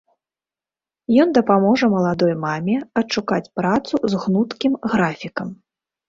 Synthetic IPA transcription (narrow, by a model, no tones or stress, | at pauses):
jɔnd̪ɐpamɔʐɐmɐlˠad̪ɔjmamʲɛɐʂukat͡sʲpɾat̪suzɣnut̪kʲimɣɾafʲikɐm